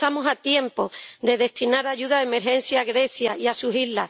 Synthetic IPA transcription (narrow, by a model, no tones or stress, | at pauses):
amosat̪je̞mpo̞d̪e̞ðe̞ht̪inaɾaʝuðaðeme̞ɾɦe̞n̟sjaɣɾe̞sjaiasuɦillːa